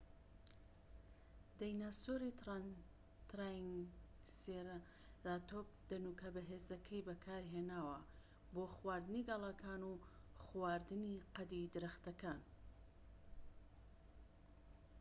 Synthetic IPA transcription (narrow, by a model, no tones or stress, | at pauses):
d̪ajnasoɾi | t̪ɾaŋseɾ | ɾaːt̪op̚d̪̥ɐnukɐbɐɦeːzɐkʰɐjbɐkʰaːɾɦeːnaːwɐ | boːxwaːɾd̪ɨniɡɐlˠɑkʰaːnuxwaːɾd̪ɨniqɐd̪id̪ɨɾɐxt̪ɐkaːn